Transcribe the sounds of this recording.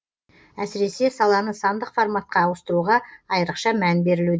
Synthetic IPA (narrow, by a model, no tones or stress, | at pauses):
æsɪɾe̞se̞sɑlˠɑnəsɑnd̪əqformɑt̪̚qɑːwəst̪əɾuʁɑːjəɾəqʃɑmænbe̞ɾɪlud̪e